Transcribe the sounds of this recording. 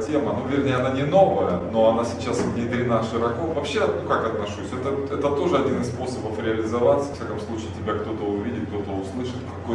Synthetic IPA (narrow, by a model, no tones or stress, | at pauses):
tʲe̞mənuvʲɪrnʲejəɐnanʲɪno̞vəjəno̞ɐnasʲɪ̥t͡ɕːasnʲɪt̪ɾʲɪnaʂɨɾɐkofvɐpɕːenukakɐt̪nɐʂusʲɛt̪əɛt̪ət̪o̞ʐɨɐdʲinɨsspo̞səbəfɾʲɪɐlʲɪzɐvat̪səv̥ɐfsʲakəmslˠut͡ɕɪːtʲɪbʲakt̪o̞t̪əʊvʲidʲɪt̪̚k̚t̪o̞t̪əʊslˠɨʂɨt̪kɐkoj